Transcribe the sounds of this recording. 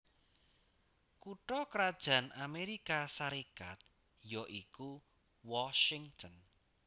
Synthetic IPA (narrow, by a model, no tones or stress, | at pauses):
kuʈɾɔkəɾad̥ʒ̥ä̤nʔameɾikasaɾekat̪̚ | joʔiku | wɔʃɪŋt̪ʰɔn